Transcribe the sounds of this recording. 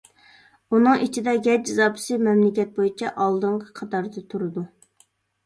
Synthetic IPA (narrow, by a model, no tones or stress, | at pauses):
unɨŋit͡ʃʰid̪ɛɡʲɛd͡ʒɪzɑːpʰɪ̥sɨmɛmlɪkʲɛt̪̚bojit͡ʃʰɛʔɑlˠd̪ɨɴqʰə̥qʰɑt̪ɑɾd̪ɨt̪ʰuɾɨd̪u